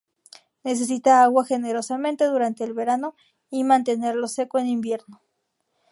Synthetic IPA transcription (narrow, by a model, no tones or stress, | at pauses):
ne̞s̬e̞s̬it̪aaɣwaxe̞ne̞ɾo̞samẽ̞nt̪e̞ðuɾant̪e̞ːlβe̞ɾano̞ | imãnt̪̬e̞ne̞ɾlo̞se̞koenimbje̞ɾno